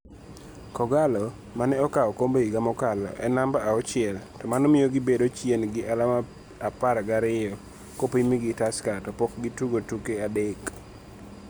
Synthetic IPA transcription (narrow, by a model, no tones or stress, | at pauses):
kɔɡalɔ | manɛɔkaɔkombeiɡamɔkalɔ̰ʔɛ̰nambaaɔt͡ʃɪɛltɔmanɔmɪjoɡɪbedot͡ʃjenɡɪʔalama | apaɾɡaɾɪjɔ | kopimiɡɪtaskatɔpɔkɡɪtuɡotukeadɛk